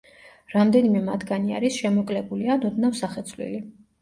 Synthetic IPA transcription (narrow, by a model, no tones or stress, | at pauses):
ɾamd̪ɛnimɛmat̪ʰɡania̰ɾisʃɛmɔkʼlɛbulianɔd̪nafsaχɛt̪sʰvlḭli